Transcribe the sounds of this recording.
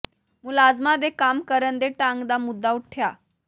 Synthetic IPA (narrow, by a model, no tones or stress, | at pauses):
mulad͡zmad̪ʱekamkəɾənd̪eʈaŋɡd̪amud̪ːauʈʰːja